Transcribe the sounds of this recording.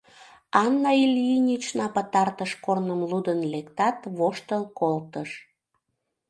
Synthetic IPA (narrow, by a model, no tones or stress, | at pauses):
ɑnːɑilʲjinʲit͡ɕnɑpət̪ɑrt̪əʃkornəmlud̪ənlekt̪ɑt̪βoʃt̪əlkolt̪əʃ